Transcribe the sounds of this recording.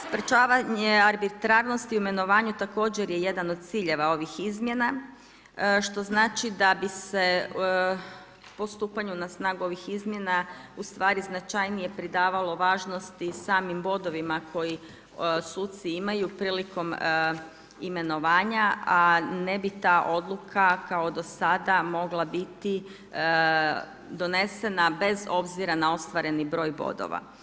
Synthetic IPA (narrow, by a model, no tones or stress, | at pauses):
spɾet͡ʃaːʋaɲeaɾbit̪ɾaɾno̞st̪iuime̞no̞ʋaːɲut̪ako̞ːd͡ʑe̞ɾjeje̞d̪ano̞d̪̚t̪siːʎe̞ʋao̞ʋixizmje̞na | ʃt̪o̞znaːt͡ʃid̪abise̞ | po̞st̪uːpaɲunasnaːɡuo̞ʋixizmje̞naust̪ʋaːɾiznat͡ʃajnije̞pɾid̪aːʋalo̞ʋaːʒno̞st̪isaːmimbo̞d̪o̞ʋimakʰo̞ji | suːt̪siimajupɾiːliko̞m | ime̞no̞ʋaːɲaanebit̪aːʔo̞d̪lˠukʰakaod̪o̞sad̪amo̞ɡlˠabit̪i | d̪o̞ne̞se̞nabe̞zo̞bziɾanao̞st̪ʋaɾe̞nibɾo̞ːjbo̰d̪o̰ʋa̰